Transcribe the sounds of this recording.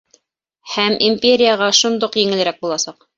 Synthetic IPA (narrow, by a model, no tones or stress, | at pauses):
hæmʔimʲpʲeɾʲɪjaʁɑʃund̪oqjɘ̆ŋɘ̆ɘ̆ɾæk̚bulˠɑsɑq